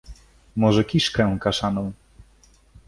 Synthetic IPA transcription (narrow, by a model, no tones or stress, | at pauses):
mɔʐɛkʲiʂkɛ̃w̃kaʂanɔ̃w̃